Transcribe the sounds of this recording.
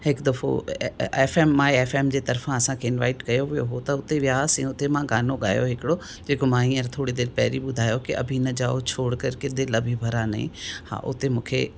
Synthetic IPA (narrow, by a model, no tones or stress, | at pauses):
ɦɪkd̪ɐfo̰eːfeːmːãːeeːfeːmd͡ʑeːt̪ɐɾfãɐsãkʰeɪnʋa̰ːɪʈkɐjoʋijo̰ɦot̪ɐʊt̪eʋjaːsĩʊt̪emãɡaːnoɠaːjoɦɪkɪɽo | d͡ʑeːkomãːĩːə̃ɾt̪ʰoːɽid̪eːɾpɛːɾiɓʊd̪ʱaːjokiʔɐ̰bʱinɐd͡ʑaːot͡ɕʰoːɽkɐɾked̪elɐbʱibʱɐɾanɐ̰ḭ̃ha̰ːʔʊ̰t̪emũːkʰe